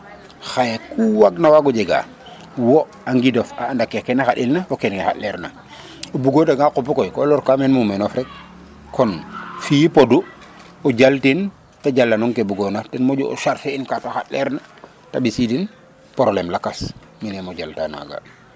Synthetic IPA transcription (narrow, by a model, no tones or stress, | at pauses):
xajekuwaɡnawaɡɔɟeɡa̰ | wɔ | aŋɡidɔfaːndakːekɛnaxaɗilnawokenkexa̰tlɛɾna | obuɡodaɡaqopukojkɔlɔɾkamɛnmumɛnɔfɾɛk̚ | kʰɔnfijipodu | oɟaltin | taɟalːanɔŋkebuɡonatɛnmoɟuo̰ʃaɾfeinkataxatlɛɾna | tabisidin | poɾlemlakas | minɛmoɟaltana̰ɡa̰